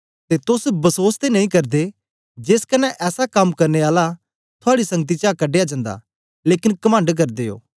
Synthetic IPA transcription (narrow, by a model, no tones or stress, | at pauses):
t̪et̪ʊsbɐsoːst̪enɐĩkɐɾd̪e | d͡ʒeːskɐnːɛʔɛːsakɐmkɐɾneaːla | t̪ʰʊaːɽisɐ̃ŋɡət̪̬it͡ʃakɐɖeːjad͡ʒɐ̃ːnd̪a̰ | leːkɪnkɐmə̃ɳɖk̬ɐɾd̪eːjo̰ː